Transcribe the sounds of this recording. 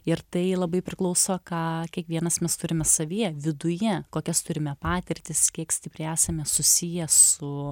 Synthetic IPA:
ɪɾt̪ɐɪlˠɐbɐɪpʲɾʲɪklˠɐʊsoːkɑːkʲiɛkʋʲiɛnɐsmʲɛst̪ʊɾʲɪmʲɛsɐʋʲiɛʋʲɪd̪ʊjɛkoːkʲɛst̪ʊɾʲɪmʲɛpɑːt̪ʲɪɾʲt̪ʲɪskʲiɛksʲt̪ʲɪpʲɾʲɪæːsɐmʲɛsʊsʲijɛsʊ

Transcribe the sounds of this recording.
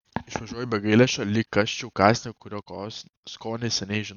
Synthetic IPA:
ɪʃʋɐʒuɔjɛbʲɛɡɐɪlʲɛʃʲolʲikːɐʃʲt͡ʃʲɛʊkɑːsʲnʲɛkʊɾʲoː | skoːnʲesʲɛnʲɛɪʒʲɪn

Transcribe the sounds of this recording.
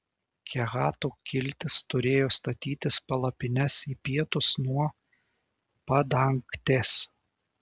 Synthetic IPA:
kʲɛɣɑːt̪uːkʲɪlʲt̪ʲɪst̪ʊɾʲeːjoːst̪ɐt̪ʲiːt̪ʲɪspɐlˠɐpʲɪnʲɛsiːpʲiɛt̪ʊsnuɔ | pɐd̪ɐŋkt̪ʲes

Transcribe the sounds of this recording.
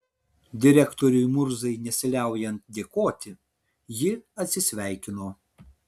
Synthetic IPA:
d̪ʲɪɾʲɛkt̪oːɾʲʊjmʊɾzɐɪnʲɛsʲɪlʲæˑʊjɛnt̪̚d̪ʲeːkoːt̪ʲɪ | jɪɐt̪ʲsʲɪsʲʋʲæˑɪkʲɪnoː

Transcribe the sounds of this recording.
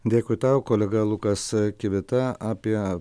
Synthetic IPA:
d̪ʲeːkʊɪt̪ɑːʊkoːlʲɛɡɐlˠʊkɐskʲɪʋʲɪt̪ɐaːpʲiɛ

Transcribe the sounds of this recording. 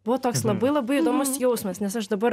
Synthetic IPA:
b̥ʊʋɔt̪oːkslˠɐbɐɪlˠɐbɐɪid̪oːmʊsjɛʊsmɐsnʲɛsɐʃd̪ɐbɐɾ

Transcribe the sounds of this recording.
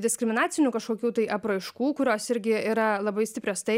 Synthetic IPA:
d̪ʲɪskɾʲɪmʲɪnɑːt͡s̪ʲɪnʲukɐʃkoːkʲuːt̪ɐɪʔɐpɾɐɪʃkuːkʊɾʲoːsɪɾʲɡʲɪiːɾɐlˠɐbɐɪsʲtʲɪpɾʲoːst̪ɐɪ

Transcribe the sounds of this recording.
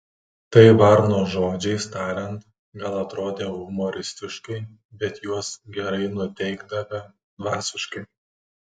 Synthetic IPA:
t̪ɐɪʋɐɾnoːʒoːd͡ʒʲɛɪst̪ɑːɾʲɛnt̪ | ɡɐlˠɐt̪ɾoːd̪ʲeːɣʊmoːɾʲɪsʲt̪ʲɪʃkɐɪbʲɛt̪juɔsɡʲɛɾɐɪnʊt̪ʲɛɪɡd̪ɐʋʲɐ | d̪ʋɑːsʲɪʃkɐɪ

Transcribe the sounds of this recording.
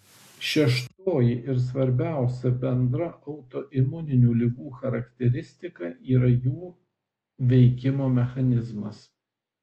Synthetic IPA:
ʃʲɛʃt̪oːjɪʔɪɾs̬ʋɐɾʲbʲæˑʊsʲɛbʲɛnd̪ɾɐʔɐʊt̪oːʔɪmʊnʲɪnʲuːlʲɪɡuːxɐɾɐkt̪ʲɛɾʲɪsʲt̪ʲɪkɐʔiːɾɐjuː | ʋʲɛɪkʲɪmoːmʲɛxɐnʲɪzmɐs

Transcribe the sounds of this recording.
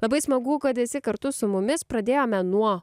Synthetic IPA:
lˠɐbɐɪsmɐɡuːkɐt̪ɪsʲɪkɐɾt̪ʊsʊmʊmʲɪspɾɐd̪ʲeːjoːmʲɛnuɔ

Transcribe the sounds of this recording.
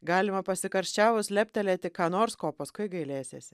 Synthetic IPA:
ɡɑːlʲɪmɐpɐsʲɪkɐɾʲsʲt͡ʃʲæːʋʊslʲɛpʲt̪ʲɛlʲeːt̪ʲɪkɑːnoːɾskoːpɐskʊɪɡɐɪlʲeːsʲeːsʲɪ

